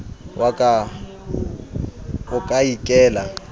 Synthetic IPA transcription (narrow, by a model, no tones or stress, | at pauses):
wakʼa | ʊkʼaikʼɛːla